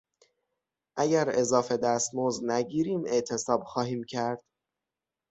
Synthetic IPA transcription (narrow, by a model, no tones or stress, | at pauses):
ʔæɟæɾe̞zɒːfe̞d̪æst̪moznæɟiːɾiːme̞ʔt̪ʰe̞sɒːb̥xɒːhiːmcʰæɾd̪̥